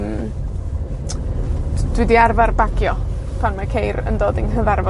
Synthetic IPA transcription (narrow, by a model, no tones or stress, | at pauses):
m | d̥wɪdiarvarbaɡjɔ | pʰaŋnakʰejɾə̰ndoːdiŋɦəvaɾvɔ